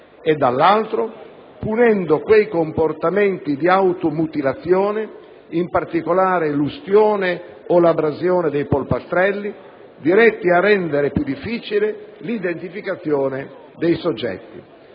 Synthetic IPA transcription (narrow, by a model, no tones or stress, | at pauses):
ed̪alːalt̪ɾo | punɛnd̪okwejkomport̪ament̪id̪iawt̪omut̪ilat̪sːjɔːne | impart̪ikolaːɾelust̪jɔːne | olabɾazjɔːned̪ejpolpast̪ɾɛlːi | d̪iɾɛt̪ːiarːɛnd̪eɾepjud̪ːifːiːt͡ʃilelid̪ent̪ifikat̪sːjɔːne | d̪ejsod͡ʒːɛ̰t̪ːḭ